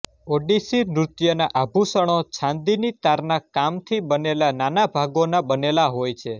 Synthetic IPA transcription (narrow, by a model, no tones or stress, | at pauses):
oɖisinɾut̪jənaʔabʱusəɽ̃ot͡ʃʰãnd̪init̪aɾnakamt̪ʰibənelananabʱaɡonabənelaɦojt͡ʃʰe